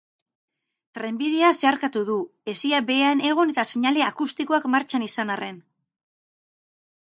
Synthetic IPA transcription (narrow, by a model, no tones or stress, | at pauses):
t̪ɾe̞mbiðe̞ase̞aɾkat̪uðue̞siaβe̞ane̞ɣ̞une̞t̪aseɲale̞akust̪iko̞akmaɾt͡ʃanisanarʔe̞n